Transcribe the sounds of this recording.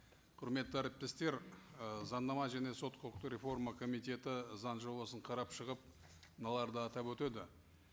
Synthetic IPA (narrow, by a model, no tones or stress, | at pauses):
qʰʊɾme̞t̪ːɪæɾɪp̚t̪e̞st̪e̞ɾəzɑnːɑmɑʒæne̞so̞t̪qʰot̪ɾʲe̞fo̞rmɑkʰo̞mijt̪e̞t̪ɪzɑnʒobɑsəɴqʰɑɾɑpʃəʁəp̚ | nɑlˠɑɾd̪əɑt̪ɑpwɵt̪e̞d̪ɪ